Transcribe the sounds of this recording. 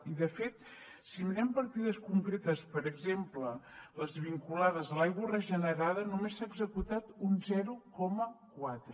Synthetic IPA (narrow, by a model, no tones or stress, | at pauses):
iðəfet̪ | simnɛmpəɾt̪iðəskuŋkɾet̪əspəɾəɡzemplələzβiŋkulaðəzðəlajɣwərəʒənəɾaðənumesːaːɡzəkut̪at̪unzɛɾukɔməkwat̪ɾə